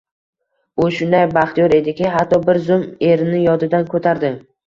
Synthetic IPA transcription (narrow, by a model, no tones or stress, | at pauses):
ʊʃʊnd̪ajbaχt̪ijɒɾe̞d̪ɪkʲɪɦat̪ʰːɒbɪɾzʊme̞ɾɪnɪjɒd̪ɪd̪ankʰot̪ʰaɾd̪ɪ